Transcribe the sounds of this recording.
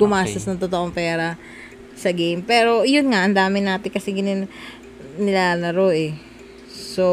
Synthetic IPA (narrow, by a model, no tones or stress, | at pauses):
ɡʊmaːst̪ɐsnɐŋt̪ot̪oʔoŋpɛːɾɐ | sɐɡejmpɛːɾo̞jʊnŋaʔɐnd̪aːmɪnaːt̪ɪkɐsɪɡɪnɪn | nɪlaːlɐɾo̞ʔɛ | so